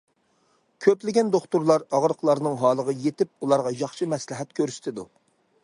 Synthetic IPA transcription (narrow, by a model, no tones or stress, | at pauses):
kʲʰøplɪɡʲɛnd̪oχt̪uɾlˠɑɾɑʁɾəqlˠɑɾnɨŋɦɑːlˠəʁəjet̪ɪp̚ulˠɑɾʁɑjɑχʃɨmɛslɪɦɛt̪̚kʲʰøɾsɪ̥t̪ʰɪd̪u